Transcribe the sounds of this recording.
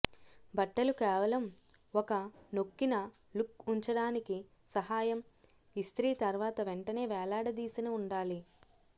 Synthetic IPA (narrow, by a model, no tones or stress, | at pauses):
bɐʈːɐlukɛːʋɐlɐm | ɔkɐno̞kːinɐ | lukuɲt͡ʃɐɽaːniki | sɐɦaːjɐm | ist̪ɾiːt̪ɐɾʋaːt̪ɐʋeɳʈɐne̞ːʋɛːlaːɽɐd̪iːsinɐuɳɖaːli